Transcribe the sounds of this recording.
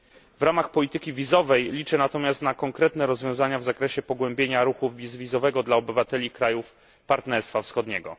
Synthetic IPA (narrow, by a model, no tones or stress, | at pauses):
vɾamaxpɔlʲit̪ɘkʲivʲizɔvɛjlʲit͡ʂɛnat̪ɔmʲjast̪nakɔŋkɾɛt̪nɛɾɔzvʲjɔ̃w̃zaɲavzakɾɛɕɛpɔɡwɛmbʲjeɲaɾuxuvʲizvʲizɔvɛɡɔd̪laɔbɘvat̪ɛlʲikɾajuf | paɾt̪nɛɾst̪fafsxɔd̪ɲɛɡɔ̰